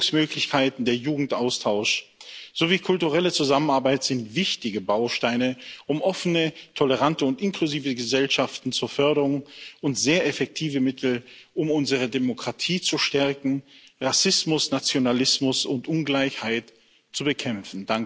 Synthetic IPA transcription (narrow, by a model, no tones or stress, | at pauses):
smøːklɪçkʰaɪtn̩deːɐjuːɡŋ̩tʔaʊstʰaʊʃz̥oviːkʰʊltuʁɛlət͡suzamənaɐbaɪtz̥ɪntv̥ɪçtɪɡəbaʊʃtaɪnəʔʊmʔɔfənətʰɔləʁantəʊntʔɪnkluziːvəɡəzɛlʃaftn̩t͡suːɐfœɐɾəʁʊŋʔʊntz̥eːɐɛfɛk̚tʰiːvəmɪtʰl̩ʔʊmʊnzəʁ̞ədemokʁ̥atʰiːt͡suʃtɛɐkŋ̩ʁasɪsmʊsnat͡sjonalɪsmʊsʊntʔʊnɡlaɪçhaɪt | t͡subəkʰɛmfn̩daŋ